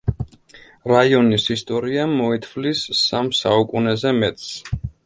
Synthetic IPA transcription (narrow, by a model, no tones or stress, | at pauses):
ɾaiɔnisist̪ʼɔɾiamɔɛt̪ʰvlisːamsaukʼunɛzɛmɛt̪ʼs